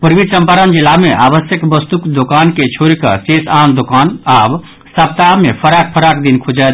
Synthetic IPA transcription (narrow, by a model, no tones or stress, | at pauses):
puɾʋisə̃mpaɾənd͡ʒilːameʔaːbəsjəkbəst̪ukd̪okaːnket͡ʃʰoːɾikɐ̰sesaːnd̪okaːnaːb | səpt̪aɦmepʰəɾak̚pʰəɾakd̪inkʰod͡ʒa